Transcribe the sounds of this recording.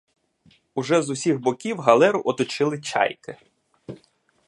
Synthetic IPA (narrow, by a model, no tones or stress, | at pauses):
ʊʒɛzʊsʲiɣbɔkʲiwɦɐlˠɛɾʊʔɔt̪ɔt͡ʃɪlˠɪt͡ʃɑ̰jkɪ